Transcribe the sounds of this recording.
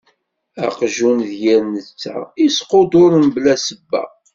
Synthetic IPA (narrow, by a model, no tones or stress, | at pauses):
æ̰qʒunðjæɾnət͡sːa̰isqod̪oɾmblæsəbːæ̰